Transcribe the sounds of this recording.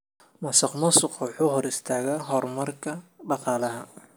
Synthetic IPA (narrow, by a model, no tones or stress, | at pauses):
mɐsɑqmɐsʊqwʊħuːɦhɔɾɪst̪ʰaːɣaɦɔrmɐrkʰɐɖɑqɑːlɐɦɐ